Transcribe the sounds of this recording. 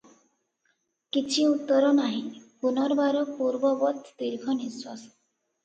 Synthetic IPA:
kit͡ʃʰiut̪ːɔɾɔnaɦĩpunɔɾbaɾɔpuɾbɔbɔt̪ʰt̪iɾɡʰʱɔniswas

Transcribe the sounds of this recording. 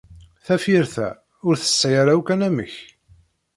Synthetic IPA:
θæfiɾθæ̰ | ʊɾθə̥sːæjaɾawkænæmə̰ç

